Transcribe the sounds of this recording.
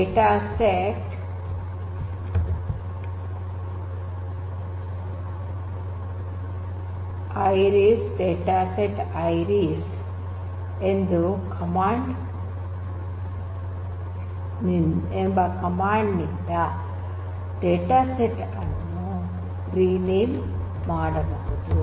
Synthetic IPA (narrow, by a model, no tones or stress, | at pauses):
eːʈaːseʈ | ɐjɾisɖeːʈaːseʈɐjɾis | end̪ukʰɐmaːɳɖ | iembɐkɐmaːɳɖnind̪ɐ | ɖeːʈaːseʈː | ɐnːu | ɾiːneːm | maːɽɐbuɡud̪u